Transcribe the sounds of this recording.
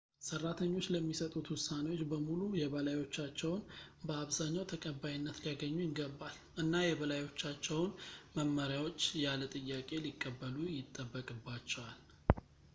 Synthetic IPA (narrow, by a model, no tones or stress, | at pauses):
sərːat̪ʰəɲːo̞t͡ʃːləmːisət̪ʼut̪wʊsːanewo̞t͡ʃːbəmulujɛβəlajo̞t͡ʃːat͡ʃːɛwnbəaβzaɲːawt̪ʰəkʼəbːajinːət̪lijaɡəɲːujɪɡəbːal | ʔɨnːajɛbəlajo̞t͡ʃːat͡ʃːɛwnməmːəɾjawo̞t͡ʃːjalət̪ʼɨjːakʼe̞likʼːəbːəlujɪt̪ʼːəbːəkʼɨbːat͡ʃːɛwal